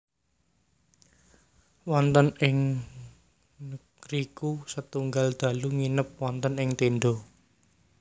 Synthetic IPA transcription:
wɔnt̪ənɪŋ | nəɡ̥ɾikusət̪uŋɡald̪̥ä̤luŋinəp̚wɔnt̪ənɪŋt̪enɖo

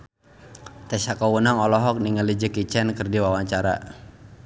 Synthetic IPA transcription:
t̪ɛsakawunaŋɔlɔɦɔk̚niŋəlid͡ʒəkit͡ʃɛnkərdiwawaɲt͡ʃaɾa̰

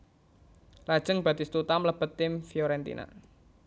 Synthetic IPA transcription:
lad̥ʒ̥əŋb̥a̤d̪ist̪ut̪amləb̥ət̪ːɪmfiɔɾɛnt̪ḭnʔa̰

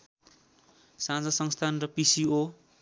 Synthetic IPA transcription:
sãd͡zʌsʌŋst̪ʰanrʌpisio

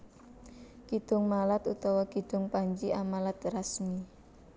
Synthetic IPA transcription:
kid̪̥ʊŋmalat̪ut̪ɔwakid̪̥ʊŋpaɲt͡ʃiʔamalat̪rasmi

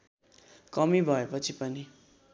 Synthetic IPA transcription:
kʌmibʱʌepʌt͡sʰipʌni

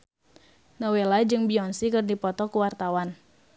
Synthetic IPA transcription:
nɔwelad͡ʒɨŋbiɔnsikɨrdipɔt̪ɔkuwart̪awan

